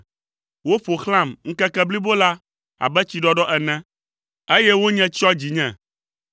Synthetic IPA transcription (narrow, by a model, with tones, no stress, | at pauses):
wo˦ɸo˨xl̃ã˦˨mŋ̩˦kɛ˦kɛ˦bli˦bo˦la˦ | a̰˨bɛ˦t͡ɕi˨ɖɔ˦ɖɔ˦ʔɛ˨nɛ̃˦ | e˦jɛ˦wo˦ɲɛ̃˦t͡ɕɔ˦d͡ʑi˨ɲɛ̃˨